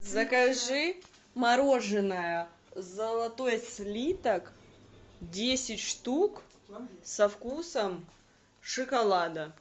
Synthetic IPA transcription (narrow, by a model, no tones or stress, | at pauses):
zɐkɐʐɨ | mɐɾo̞ʐɨnəjə | zəlˠɐt̪o̞jsʲlʲit̪ək | dʲesʲɪtʲʂt̪uk | sɐfkusəm | ʂɨkɐlˠad̪ə